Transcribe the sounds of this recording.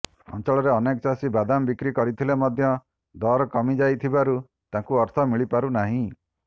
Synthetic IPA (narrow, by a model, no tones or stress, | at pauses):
ɔ̰nt͡ʃɔɭɔɾeɔnekɔt͡ʃasibad̪ambikɾikɔɾit̪ʰilemɔd̪ʱjɔ | d̪ɔɾɔkɔmid͡ʒajt̪ʰibaɾu | t̪ãkuɔɾt̪ʰɔmiɭipaɾunaɦĩ